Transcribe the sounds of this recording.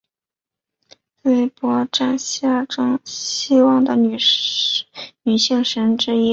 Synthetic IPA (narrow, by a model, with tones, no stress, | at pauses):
te˥˩ɪpwɔ˧˥ʈ͡ʂa˥˧nɕa˥˩ʈ͡ʂɤ˥ŋɕi˥wɑ˥˩ŋd̪ə˩n˨˩ | ny˨˩ɕi˥˩ŋʂə˧˥nʈ͡ʂɻ̩˥i˥